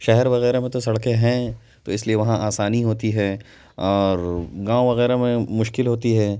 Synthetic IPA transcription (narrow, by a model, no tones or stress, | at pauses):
ʃɛɦɛɾʋɐɣɛːɾemẽt̪osɐɽkẽɦɛ̃ | t̪oɪslieʋɐɦãʔaːsaːniɦoːt̪iɦɛː | ɔːɾɡãːoʋɐɣɛːɾamẽmʊʃkɪlɦoːt̪iɦɛː